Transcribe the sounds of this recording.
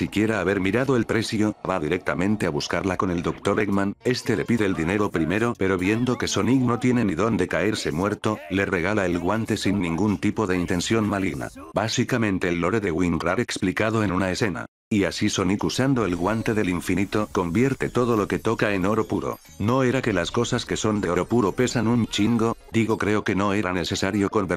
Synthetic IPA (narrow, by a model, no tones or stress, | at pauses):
sikje̞ɾaːβe̞ɾmiɾaðoelpɾe̞sjoβaðiɾek̚t̪amẽ̞nt̪eaβuskaɾlako̞ne̞ld̪okt̪o̞ɾeɡmãne̞st̪elepiðeːld̪ine̞ðo̞pɾime̞ɾo̞pe̞ɾo̞βje̞nd̪o̞ke̞so̞niɣno̞t̪jeneniðo̞nd̪e̞kae̞ɾse̞mwe̞ɾt̪o̞le̞re̞ɣ̞alaelɣwant̪e̞sinːĩŋɡunt̪ipo̞ðe̞int̪e̞nsjo̞nmaliɣna̰ | basikamẽ̞nt̪e̞ːlːo̞ɾeðeɣwinraeksplikað̞oe̞nunaese̞na̰ | iasiso̞nikusand̪o̞elɣwant̪e̞ðe̞liɱfinit̪o̞ko̞mbje̞ɾt̪e̞t̪o̞ð̞o̞lo̞ke̞t̪o̞kae̞no̞ɾo̞puɾo̞̰ | no̞eɾake̞lasko̞saske̞so̞nd̪e̞oɾopuɾo̞pe̞sanunt͡ʃiŋɡo̞d̪iɣ̞o̞kɾe̞o̞ke̞no̞e̞ɾane̞se̞saɾjo̞ko̞mbe